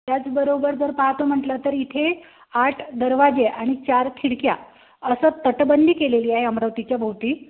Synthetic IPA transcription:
t̪jat͡sbəɾobəɾd͡zəɾpaɦat̪om̤əʈlət̪əɾit̪ʰe | aʈʰd̪əɾʋad͡ʑeʔaɽ̃it͡ɕaɾt̪ʰiɽkja̰ | əsət̪əʈbənd̪ʱiːkeleliːaɦeəmɾəʋt̪it͡ɕjabʱəʋt̪iː

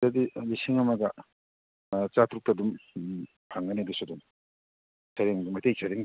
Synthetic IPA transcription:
adilisiŋɐmɐɡɐ | t͡ʃat̪ʰɾuk̚tadum | pʰaŋɡanedusudum | sʰaɾeŋmajt̪ʰejsʰaɾeŋ

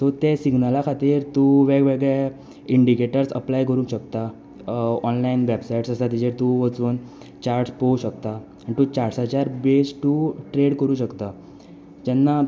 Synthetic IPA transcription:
t̪ot̪esiɡnalakʰat̪iːɾt̪ũʋeɡʋeɡɭɛ | iɳɖikeʈəɾsə̰plajkəɾũnkɕəkt̪a | ɔnlainʋɛbsajiʈsəsat̪it͡ɕeɾt̪uʋət͡suːn | t͡ɕaɾʈspouɕəkt̪a | añit̪ut͡ɕaɽsat͡ɕjaɾbesʈuʈɾeɽkəɾũːɕəkt̪a | d͡ʑɛnːa

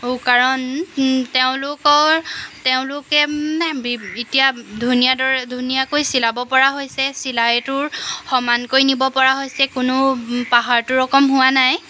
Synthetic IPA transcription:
okaɹɔnteʊ̃lʊkɔteʊ̃lʊkɛbiitijadʱunijadɔɹɛdʱunijakojsilabɔpɔɹaɦojsɛsilajtʊɹxɔmankoɹjnibɔpɔɹaɦojsɛkʊnʊpaɦaɹtʊɹɔkɔmɦʊwanaj

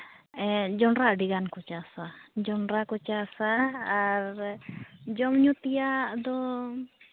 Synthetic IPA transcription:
ɛd͡ʒɔnɾaʔɖiɡankut͡ʃasad͡ʒɔnɾakut͡ʃasaː | ɾ | d͡ʒɔmɲut̪ijad̪ɔ

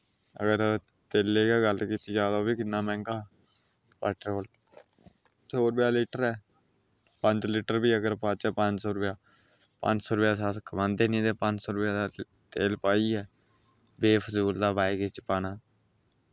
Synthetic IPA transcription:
ə̰ɡəɾ | t̪eːlːeːɡaːɡəlkiːt̪iːd͡ʒaːd̪aobiːkɪnːaːmɛ̃ːŋɡaː | pɛːʈɾoːl | soːɾʊpjaːlɪːʈəɾɛː | pəɲd͡ʒlɪʈəɾbiːəɡəɾpat͡ʃɛːpəɲd͡ʒsoːɾʊpjaː | pə̰̃ɲt͡ʃsoːɾʊpjaːsaːt̪kʰəmãːnd̪eːnĩːd̪eːpəɲt͡ʃsoːɾʊpjaːd̪aː | t̪eːlpaːiːɛː | beːfʰəsuːld̪aːbaːikɪt͡ʃpaːnaː

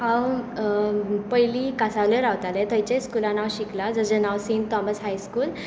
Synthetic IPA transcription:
hãw | pəjlikasaʋleɾawt̪alet̪əjt͡ɕeskulanawɕiklad͡zəsenawsĩnt̪t̪ɔməsɦajskuːl

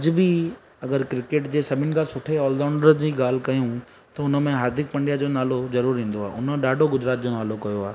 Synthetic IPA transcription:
ɐd͡ʑɪ̆bi | ɐɡəɾkɾɪkeːʈd͡ʑeːsɐbʱɪnɪ̆kʰãsʊʈʰeɔːld̪aːɳɖəɾd͡ʑiːɡaːl̤kɐjũ | t̪ɐʊnə̆mẽɦaːɾd̪ʱɪk̚pɐ̃ɳɖijad͡ʑoːnaːlozɐɾuːɾɦĩːn̆d̪oaːʔʊñɗaːɖʱoɡʊd͡ʑɾaːt̪̚d͡ʑoːnaːlokɐjoaː

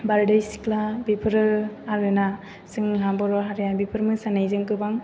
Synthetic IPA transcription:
baɾdɯjsi̥klabipʰɯɾɯaɾɯna | sɯŋɦabɔɾɔɦaɾjabipʰɯɾmɯsanajzɯŋkɯbaŋ

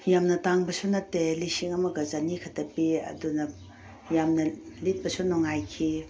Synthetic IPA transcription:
jamnɐtaŋbɐsunɐtːelisiŋɐmɐɡɐzanikʰɐtɐpeɐ̰dunɐ | jamnɐlit̚bɐsunɔŋajkʰi

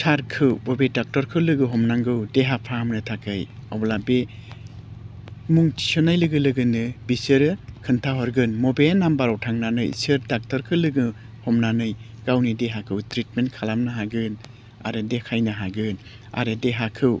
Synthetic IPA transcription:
tʰaɾkʰɯwbɔbedak̚tɔɾkʰɯlɯɡɯɦɔmnaŋɡɯwdeɦapʰamnɯtʰakɯjɔ̰blabe | muŋtʰi̥sɔnajlɯɡɯlɯɡɯnɯbisɯɾɯkʰɯntʰaɦɔɾɡɯnmɔbenambaɾɔwtʰaŋnanɯ̰jsɯɾdak̚tɔɾkʰɯlɯɡɯ | hɔmnanɯj | ɡ̥awnideɦakʰɯwtɾit̚menkʰalamnaɦaɡɯn | a̰ɾɯdekʰajnaɦaɡɯn | a̰ɾɯdeɦakʰɯw

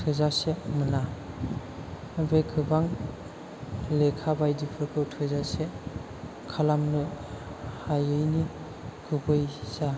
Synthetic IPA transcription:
tʰɯzasemɯna | bekʰɯbaŋ | lekʰabajdipʰɯɾkʰɯwtʰɯzase | kʰalamnɯ | hajɯjni | kʰɯbɯjsa

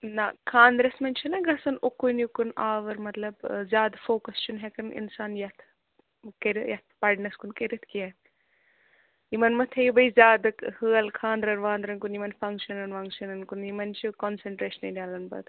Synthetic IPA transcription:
nakʰaːnd̪ɾɐsmɐnʲt͡ʃʰinɐɡɐsɐnukunjukunaːʋɐɾmɐt̪lɐbzʲaːd̪foːkɐst͡ʃʰunɦɛkɐnḭnsaːnjɐt̪ʰ | kɐɾijɐt̪̚ʰpɐɾɖnɐskunkɐɾit̪ʰkiɐ | jimɐnmɐt̪ʰejibɐizʲjaːd̪ɨkhɨːɐlkʰaːnd̪ɾɐɾʋaːnd̪ɾɐnkunjimɐnfɐŋkʃɐnɐnʋɐŋkʃɐnɐnkunjimɐnt͡ʃʰikonseɳʈɾeːʃɐnɐdʲaːlɐnbɐ̰d̪

